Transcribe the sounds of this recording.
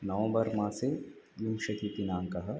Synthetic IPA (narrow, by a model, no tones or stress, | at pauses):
nɐʋə̃bɐɾmãːsejumʃɐt̪it̪inaːŋkɐɦɐ